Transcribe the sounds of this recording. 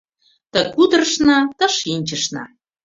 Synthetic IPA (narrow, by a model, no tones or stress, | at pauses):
t̪ə̆kud̪rəʃnɑt̪ɤ̆ʃinʲt͡ɕəʃnɑ̰